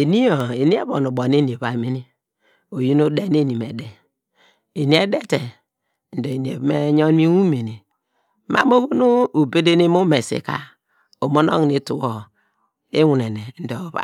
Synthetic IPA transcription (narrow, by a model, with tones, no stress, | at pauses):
e˨ni˦o˨e˨ni˦e˦bo˨nu˨bo˨n˦e˦ni˨e˨βa˨me˦ni˦ | o˨ji˦no˦de˦n˦e˦˨ni˨me˨de˨ | e˨ni˨˦e˦de˦te˨ | n̩˨do˨e˨ni˨e˨bme˦ɲo˦n˦mi˦wu˦me˨ni˨˦ | ma̰˦mo˦βo˦no˦u˨be˦de˦ni˦mu˦me˨sḭ˨ka̰˦ | o˨mo˦no̰˦ŋ˨ni˦tu˨wo˨ | e˦wu˨ne˨ne˨n̩˦do˨βa̰˨